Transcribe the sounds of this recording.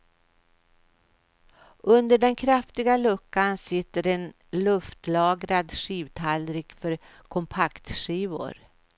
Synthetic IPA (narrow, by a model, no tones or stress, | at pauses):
ʔɵnd̪əɖɛnkʰɾaft̪ɪɡalɵkːansɪt̪ːəɾen | lɵft̪lɑːɡɾad̪ʂiːvt̪ʰalɾɪkfœɾ | kʰɔmpʰakt̪ʂiːvʊ̰ɾ